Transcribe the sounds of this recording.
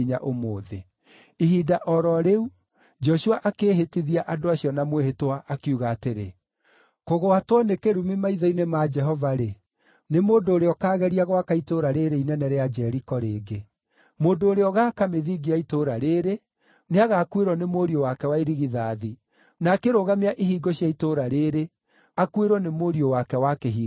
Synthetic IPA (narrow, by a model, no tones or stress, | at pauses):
ɲa̰ʔomoːðe | iɦiːdaʔɔɾɔɾeu | d͡ʒɔʃuaʔakeːɦetiðiaʔadoaɕiɔnamwehetowaʔakiuɣaːteɾe | koɣoatwanekeɾumimaiðɔinemad͡ʒɛɦɔvaɾe | nemoːndoːɾeɔkaːɣɛɾiaɣoakaitoɾaɾeɾeinɛnɛɾead͡ʒɛɾikɔɾeːɡe | moːndoːɾeɔɣaːkameðiɡiaitoɾaɾeɾe | neaɣaːkueɾɔnemoɾiowakɛwaiɾiɣiðaːði | nakeɾoɣameaʔihiːɡɔɕiaitoɾaɾeɾe | akueɾɔnemoːɾiowakɛwakeɦiː